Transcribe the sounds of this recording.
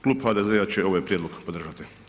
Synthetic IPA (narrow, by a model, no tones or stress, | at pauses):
klˠuːbhaːd̪ezeat͡ɕeo̞ʋojepɾʲjed̪loɡpod̪r̩ʒat̪i